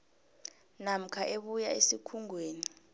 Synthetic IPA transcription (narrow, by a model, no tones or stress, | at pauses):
nam̩kʰaʔeɓujaesikʰuŋʱweːni